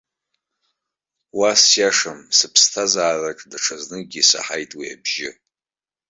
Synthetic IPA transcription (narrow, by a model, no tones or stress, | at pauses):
wasjaʂamsɨpʰstʰazaːrakʼdaʈ͡ʂʰaznɨɡʲisa̰ħajtʼwia̰bʒɪ